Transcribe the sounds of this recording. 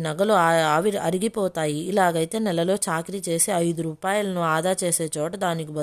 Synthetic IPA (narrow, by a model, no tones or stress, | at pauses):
nɐɡɐluaːʋiɐɾiɡipɔːt̪aːjiːlaːɡɐjt̪e̞ːnɛlːɐlo̞ːt͡ʃaːkɾit͡ʃe̞ːsiɐjd̪uɾuːpaːjɐlɐnuaːd̪aːt͡ʃe̞ːse̞ːt͡ʃɔːʈɐd̪aːnik̬ibɐ